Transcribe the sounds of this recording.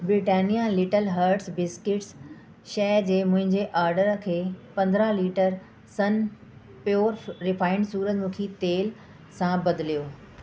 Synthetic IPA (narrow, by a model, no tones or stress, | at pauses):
bɾɪʈeːnijalɪʈəlɦəɾʈsbɪskɪʈs | ʃɛːd͡ʑeːmʊ̃ɦɪ̃ɲd͡ʑeʔaːɾɖəɾkʰeːpɐ̃nd̪ɾəliːʈəɾ | sɐn | pjoːɾɾɪfaːɪɳɖsuːɾət̪mʊ̃kʰit̪eːl | sãbɐd̪ɪlijoː